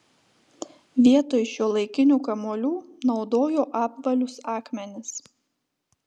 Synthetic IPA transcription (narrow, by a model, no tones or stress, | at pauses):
ʋʲiɛt̪oːjɪʃjuːlˠɐɪkʲɪnʲuːkɐmoːlʲuːnɒʊd̪oːjoːʔɑːpʋɐlʲʊsɑːkmʲɛnʲɪs